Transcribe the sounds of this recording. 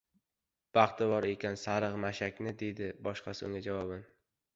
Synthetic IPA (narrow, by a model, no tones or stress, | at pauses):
b̥ɑχt̪ʰɪbɒɾe̞kʲansaɾɨʁmaʃakʲnɪd̪e̞jd̪ɪbɒʃqɑsʊ̰ŋʲad͡ʒavɒbɪn